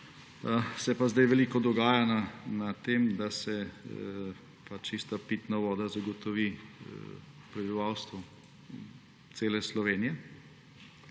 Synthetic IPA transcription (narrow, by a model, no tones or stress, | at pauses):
sɛpazd̪ajʋɛliːkɔd̪ɔɡaːjananat̪eːmd̪asɛ | pat͡ʃist̪apiːt̪naʋɔːd̪azaɡɔt̪ɔʋi | pɾɛbiʋawst̪ʋɔ | t̪seːlɛslɔʋeːnijɛ